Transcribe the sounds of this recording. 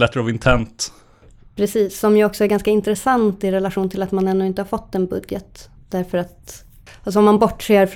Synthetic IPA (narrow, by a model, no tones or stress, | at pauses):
lɛt̪ːəɾavɪnt̪ʰɛnt̪ | pʰɾɛsiːsːɔmjɵɔksɔæɾɡanskaɪnt̪ɾɛsant̪ɪɾɛlaɧuːnt̪ʰɪlat̪manɛnːɵɪnt̪əhaɾfɔt̪ːɛnbɵd̪jət̪ | d̪̥æɾfəɾat̪ | as̬ɔɔmanbɔʈːseːɾf